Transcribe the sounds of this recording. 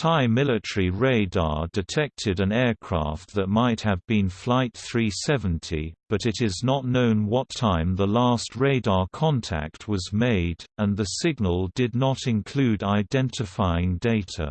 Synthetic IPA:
tʰaɪmɪlˠɨtəɹiɹeɪdɑ̰ɹdɨtʰɛk̚tʰɨɾɨ̃nɛɹkʰɹ̥æ̰ft̪̚ðɨt̚maɪt̚hɨvbɨ̃nflaɪt̪̚θɹisɛvə̃n̩tʰḭb̥ʌɾɨɾɪznətⁿnõʊ̃nwʌtʰãɪ̃mðəlæst̚ɹeɪdɑɹkʰɑ̃ntʰæ̰k̚t̚wʌzmeɪdə̃nðɨsɪɡ̚nəlˠdɨdⁿnəɾɨ̃nkʰl̥ʉɾaɪdɛ̃ntɨfaɪɪ̃ŋdeɪɾə̰

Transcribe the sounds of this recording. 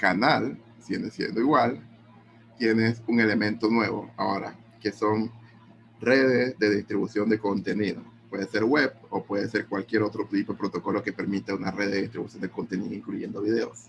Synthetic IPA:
kanal | sjend̪esje̞̰nd̪oiɣwal | t̪je̞ne̞suŋe̞lemẽ̞nt̪o̞nwe̞βo̞̰a̰oɾa̰ | ke̞so̞ŋ | re̞ðezðe̞ðist̪ɾiβusjo̞nd̪e̞ko̞nt̪e̞niðopwe̞ðese̞ɾɣweβo̞pwe̞ðese̞ɾkwalkje̞ɾot̪ɾot̪ipoepɾot̪o̞ko̞loke̞pe̞ɾmit̪aunareðist̪ɾiβusjond̪eko̞nt̪eniðoiŋkluʝe̞nd̪o̞βið̞e̞os

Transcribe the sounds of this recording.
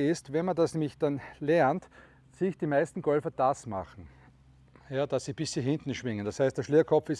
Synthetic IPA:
ɪstvɛnmandasnɛːmɪçd̥anlɛɐnt | sɪçd̥imæɪstn̩ɡ̥ɔlfɐd̥asma̰χn̩ | jaːd̥asːib̥ɪsːiɦɪ̃ntn̩ʃvɪŋənd̥ashæɪstd̥eɐʃliːɐkʰɔpfɪs

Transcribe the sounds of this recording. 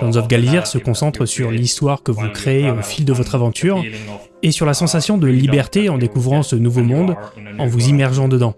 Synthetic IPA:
ʒ̥ɑ̃nzɔfɡalzɛʁsəkɔ̃sɑ̃t̪χəsyʁlist̪waʁkəvukχeːofild̪əvɔt̪χavɑ̃t̪ʰyʁ | esyʁlasɑ̃sasjɔ̃d̪əlibɛʁt̪eɑ̃d̪ekuvʁɑ̃sənuvomɔ̃d̪ | ɑ̃vuzimɛʁʒɑ̃d̪əd̪ɑ̃

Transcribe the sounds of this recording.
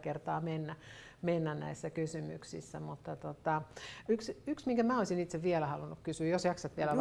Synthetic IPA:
kert̪ɑːmenːæ | menːænnæ̰isːækysymy̰ksḭsːæmut̪ːɑt̪ot̪ɑyksyksmiŋkæmæoisinit̪seʋʋiɛlæhɑlunːukkysyːjosjɑksɑt̪ʋielæ

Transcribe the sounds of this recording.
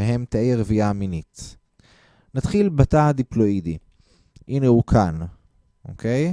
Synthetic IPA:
eɦemt̪aʔiʁeviaminit | nat̪χilbatad̪iplo̞idi | ʔinehukʰan | ʔokej

